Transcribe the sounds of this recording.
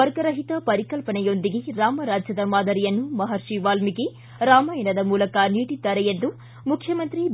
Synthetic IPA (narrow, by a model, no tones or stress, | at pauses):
ɐɾɡɐɾɐɦit̪ɐpɐɾikɐlpɐɳɐjond̪iɡeɾaːmɐɾaːd͡ʒjɐd̪ɐmaːd̪ɐɾijɐnːumɐɦɐɾʂiʋaːlmiki | ɾaːmaːjɐnɐd̪ɐmuːlɐkɐniːʈit̪ːɐɾɛjend̪u | mukʰjɐmɐnt̪ɾi